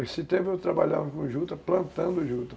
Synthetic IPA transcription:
esɪt̪ẽpʊewt̪ɾabaʎa̰vɐkõʒut̪ɐplɐ̃nt̪ɐ̃nd̪ʊʒut̪ɐ

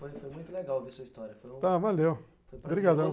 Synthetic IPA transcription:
fojfojmũj̃t̪ʊleɡawvisuɐist̪ɔɾjɐfoj̃t̪avalew | fojɾbɾiɡad̪ɐ̃

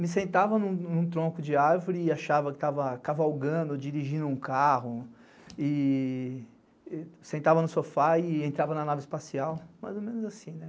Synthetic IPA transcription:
mɪs̬ẽnt̪avɐnũnũt̪ɾõkʊd͡ʒɪaɾvʊɾɪaʃavɐkɪ̥t̪avɐkavawɡɐ̃nd̪ʊd͡ʒiɾiʒĩd̪ʊũkaɦʊ | ɪ | sẽnt̪avɐnʊsofaɪẽnt̪ɾavɐnɐnavɪspasiawma̰jzomẽnʊzasĩnɛ

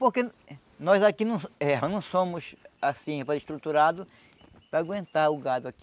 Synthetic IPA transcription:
poɾke | nɔzakinɐ̃w̃ɛnɐ̃w̃sõmʊsasĩpaɾiʃt̪ɾut̪uɾad̪ʊ | pɾaːɡwẽnt̪aɾʊɡad̪ʊaki

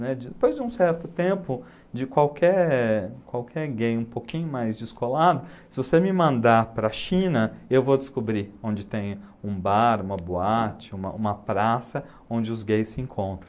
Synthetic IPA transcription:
nɛd͡ʒɪd̪epojzd͡ʒɪũsɛɾt̪ʊt̪ẽmpʊ | d͡ʒɪkwawkʰɛɾkwawkʰɛɾɡejũpokĩɲʊmajzd͡ʒɪskolad̪ʊsɪvosemɪmɐ̃nd̪apɾɐʃĩnɐewvod̪ɪskobɾiõnd͡ʒɪt̪ẽj̃ʊũbaɾũmɐboat͡ʃɪũmɐ̰ũmɐpɾasɐ | õnd͡ʒɪʊzɡejsːɪẽŋkʰõnt̪ɾɐ̃

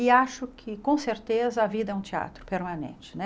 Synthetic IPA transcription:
ɪaʃʊkʰɪkõseɾt̪ezɐɐvid̪ɐɛũt͡ʃia̰t̪ɾʊpeɾmanḛ̃t͡ʃɪ̥nɛ

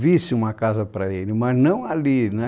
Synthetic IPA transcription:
visɪũmɐkazɐpɾɐelɪmɐznɐ̃w̃alinɛ̃

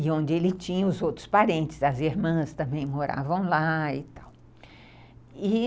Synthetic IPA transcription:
ɪõnd͡ʒɪelɪt͡ʃĩɲɐʊzowt̪ɾʊ̥spaɾẽnt̪ɪ̥zɐziɾmɐ̃st̪ɐ̃mbẽj̃moɾa̰vɐ̃w̃laɪt̪aw | ɪ

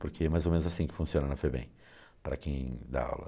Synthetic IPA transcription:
poɾkeɛmajzomẽnʊzasĩkɪ̥fũsiõnɐnɐfojbḛ̃j̃ | pɾɐ̰kẽj̃d̪a̰a̰wlɐ̰

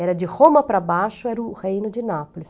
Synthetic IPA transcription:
ɛɾɐd͡ʒɪhõmɐpɾɐbaʃʊɛɾʊʁejnʊd͡ʒɪnapolɪs

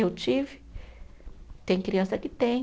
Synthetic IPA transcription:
ewt͡ʃivi̥ | t̪ẽj̃kɾiɐ̃nsakit̪ẽ

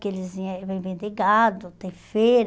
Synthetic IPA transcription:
kɪelɪzĩvẽj̃vẽnd̪eɡad̪ʊt̪ẽj̃feɾ

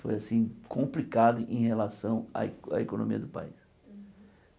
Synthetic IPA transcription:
fojasĩkʰõmplikad̪ʊʔẽj̃helasɐ̃w̃a̰a̰ekonõmiɐd̪ʊpa̰is

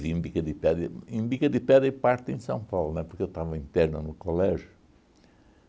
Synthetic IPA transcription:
viẽbikɐd̪ipɛðɐẽbikɐd̪ipɛðɾɐipaɾt̪ẽj̃sɐ̃w̃pawlˠunwɛpuɾkewt̪avɐĩnt̪ɛɾnɐnʊkolɛʒju

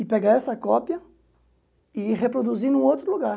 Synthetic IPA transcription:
ɪpeɡaɛsɐkɔpjɐ | iʁepɾod̪uzinũowt̪ɾʊluɡaɾ

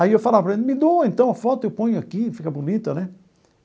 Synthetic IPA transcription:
aiewfalavɐpɾɐẽmɪd̪oẽnt̪ɐ̃w̃ɐfɔt̪ʊewpõɲʊakifikɐbunit̪ɐnɛ

